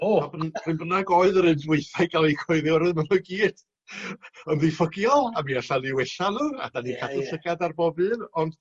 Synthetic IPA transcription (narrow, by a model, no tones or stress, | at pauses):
oabn̥rɨnbrənaɡɔɨðəɾɨndwɪɨθaɨɡalˠikʰɔɨðɪɔɾɨðmanɔɡiːd̥ | ɔnðifəɡjɔlˠamiaɬaliwɛɬanuːa̰d̥anikʰadʰʊsəɡadarbɔbɨnɔnd̥